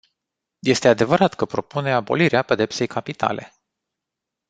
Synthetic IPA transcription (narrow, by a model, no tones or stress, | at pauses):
je̞st̪e̞ad̪e̞vəɾat̪kəpɾo̞pune̞abo̞̰liɾeape̞d̪e̞pse̞jkʰapit̪a̰lʔe̞̰